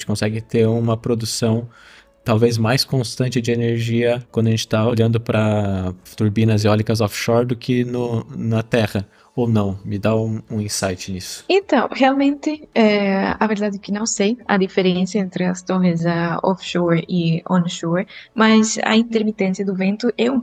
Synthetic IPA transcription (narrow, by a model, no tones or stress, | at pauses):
t͡ʃɪkõsɛɡɪt̪eɾũmɐpɾod̪usɐ̃w̃ | t̪awvezmajskõst̪ɐ̃t͡ʃɪd͡ʒɪeneɾʒiɐkwɐ̃d̪ʊɐʒẽt͡ʃɪ̥t̪aoʎɐ̃nd̪ʊpɾɐt̪uɾbĩnɐziɔlikɐzɔfʃɔɾd̪ʊkʰɪnʊnɐt̪ɛhɐ | ownɐ̃w̃mɪd̪aũũĩsajt͡ʃɪnisʊ̥ẽnt̪ɐ̃w̃healmẽnt̪ɪɛɐveɾd̪ad̪ɪkɪnɐ̃w̃sejɐ̰d̪ifeɾẽnsjɐẽnt̪ɾɪɐst̪oɦɪzɐɔ̰fʃɔɾɪõnʃɔɾmɐzɐ̰ĩnt̪eɾmit̪ẽsjɐd̪ʊvẽnt̪ʊʔɛũ